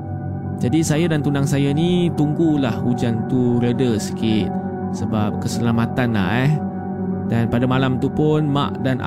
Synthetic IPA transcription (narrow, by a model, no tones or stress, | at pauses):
d͡ʒadisajadant̪undaŋsajanit̪uŋɡulahud͡ʒant̪uɾədəsə̥kit̪̚ | səbap̚kəsəlamat̪anla̰ʔɛh | danpadamalamt̪upʊnma̰ʔdanʔa̰